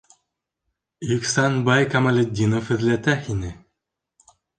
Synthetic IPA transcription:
jɵksanbajkamalʲɘ̆d̪ʲːinofhɘ̆ðlæt̪æhinɘ

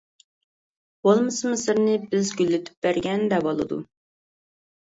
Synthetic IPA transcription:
b̥olˠmɨsɨmɪsɨɾnɪbɪzɡʲylːɪt̪ʰy̥p̚bæɾɡʲɛnd̪ɛbolˠɨ̰d̪ṵ

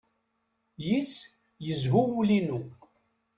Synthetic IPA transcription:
jis | jəzɦuwulinu

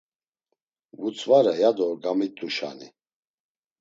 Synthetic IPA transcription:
vut͡sʰʼvaɾɛjad̪ɔɡamit̪ʼːuʃa̰ni

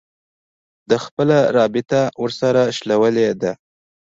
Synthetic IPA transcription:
d̪əxpəlaɾɑbɪt̪awəɾsaɾaʃlawəled̪a

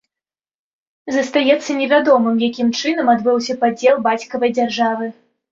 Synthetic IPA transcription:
zɐst̪ajɛt̪sːɐnʲɛvʲad̪ɔmɨmjakʲimt͡ʂɨnɐmad̪bɨwsʲɐpad͡zʲɛlˠbat͡sʲkɐvɐjd͡zʲarʐavɨ

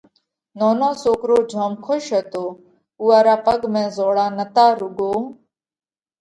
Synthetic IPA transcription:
noːnõːsoːkɾoːd͡ʒʱaːmkʰoʃɦət̪oː | uːaːɾaːpəɡmẽːzoːɽaːnət̪aːɾʊɡoː

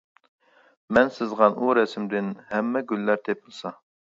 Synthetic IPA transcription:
mɛnsɪzʁɑnʔuɾɛsɪmd̪ɪnhɛmːɛɡʲylːæɾt̪ʰepʰɪlˠsɑ

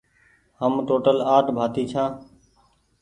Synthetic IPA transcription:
həmʈoːʈəlaːʈbʱaːt̪iːt͡ʃʰãː

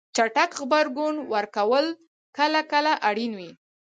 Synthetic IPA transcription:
t͡ʃaʈakɣbaɾɡunwəɾkawəl | kəlakəlaʔaɽinwi

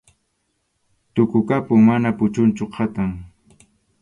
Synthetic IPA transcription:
t̪ʊkʊkapʊŋmanapʊt͡ʃʊnt͡ʃʊqʰɑt̪aŋ

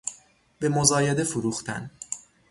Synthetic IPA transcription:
be̞mozɒːjed̪e̞fuɾuːxt̪ʰæ̰n

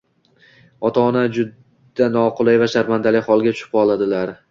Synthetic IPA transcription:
ɒt̪ʰaːnad͡ʒʊd̪ | anɒqʊlˠajvaʃaɾmand̪alɪhɒlˠɡʲat̪ʰʊ̥ʃɪpɒlˠad̪ɪlaɾ

